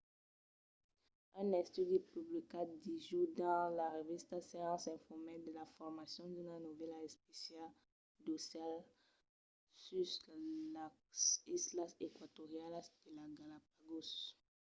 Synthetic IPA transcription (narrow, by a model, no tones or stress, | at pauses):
ɛ̃nɛ̃st̪yd̪ipyblikad̪iʒud̪ɑ̃laʁevist̪aseʁɑ̃sɛ̃fɔʁmed̪əlafɔʁmasjɔ̃d̪ynanuvɛlaɛspesjal | d̪osjal | sy | a | sislasekwat̪oʁjalasdelaɡalap̚aɡos